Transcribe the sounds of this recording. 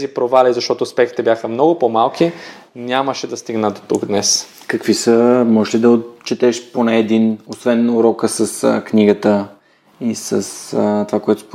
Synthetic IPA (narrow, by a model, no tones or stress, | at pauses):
zipɾovalizɐʃt̪ɔt̪oːspɛkt̪it̪ɛbʲjaxəmnɔɡʊpomalˠkʰi | nʲaməʃɛd̪ɐst̪iɡnəd̪ot̪uɡd̪nɛs | kɐkvisəmɔʒɛʃlid̪ɐot̪t͡ʃːɛt̪ɛʃponɛːd̪inosvɛnuɾɔkəsəsə̰knʲiɡət̪ə | isəsət̪ovakoɛt̪op